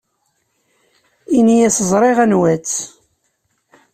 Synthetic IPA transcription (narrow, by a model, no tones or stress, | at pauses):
inijæsəzˤɾˤeʁænwæt͡sː